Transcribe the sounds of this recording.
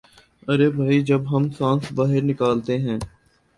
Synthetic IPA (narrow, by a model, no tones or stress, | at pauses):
ɐɾeːbʱaːid͡ʒɐbɦɐmsãːnsbaːɦɪɾnɪkaːlt̪eɦɛ̃ː